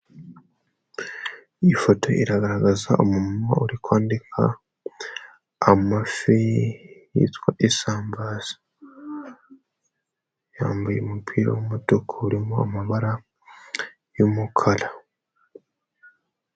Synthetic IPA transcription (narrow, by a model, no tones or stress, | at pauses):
ifo̞tʰo̞ḭɾaɡaɾaɡazaʔomumuma̰uɾikwaːndikʰa̰ | mafi | ḭtwaʔesaːmbaːz̥ḁ | jaːmbujemupʰiːɾo̰womutokʰouɾimoamaβaɾa | jomukʰala